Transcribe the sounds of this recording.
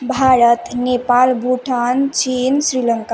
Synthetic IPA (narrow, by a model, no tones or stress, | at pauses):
bʱaɾət̪nepalbʱuʈʰant͡ɕinsɾiləŋka